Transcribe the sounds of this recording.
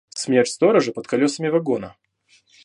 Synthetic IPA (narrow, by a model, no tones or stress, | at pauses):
smʲertʲst̪oɾəʐɨpət̪̚kɐlʲosəmʲɪvɐɡonə